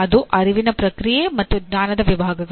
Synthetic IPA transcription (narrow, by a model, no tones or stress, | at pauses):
ɐd̪uʔɐɾiʋinɐpɾɐkɾijemɐt̪ːuɡɲaːnɐd̪ɐʋibʱaːɡɐɡ